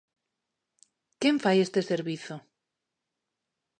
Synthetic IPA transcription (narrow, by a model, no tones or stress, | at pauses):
keɱfajest̪eseɾβiθo